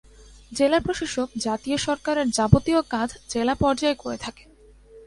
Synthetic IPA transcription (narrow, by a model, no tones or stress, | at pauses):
d͡ʑelapɾoʃoʃokd͡ʑat̪ioʃɔɾkaɾeɾd͡ʑabot̪iokãd̪ʰʱd͡ʑelapɔɾd͡ʑaekoɾet̪ʰake̥